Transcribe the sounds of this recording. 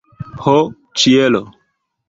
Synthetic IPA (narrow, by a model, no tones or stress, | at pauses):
ho | t͡ʃielo